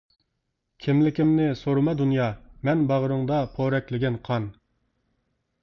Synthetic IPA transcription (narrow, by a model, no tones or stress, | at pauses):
kʲʰimlɪkʲimnɪsoɾmɑd̪unjɑːmɛnbɑʁəɾɨŋd̪ɑpʰoɾɛkʲlɪɡʲɛnqʰɑn